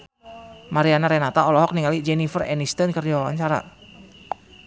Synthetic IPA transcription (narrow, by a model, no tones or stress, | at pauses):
maɾianaɾɛnat̪aɔlɔɦɔk̚niŋalid͡ʒɛnifərɛ̰nist̪ənkərd͡ʒawawa̰ɲt͡ʃaɾa̰